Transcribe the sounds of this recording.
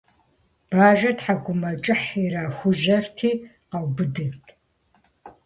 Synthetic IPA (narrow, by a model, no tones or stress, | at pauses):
b̥aːʒɐdħaɡʷʊmɐt͡ʃʼɨħiɾaːxʷʊʒɐrtʰiː | qawbɨdɨtʰʼ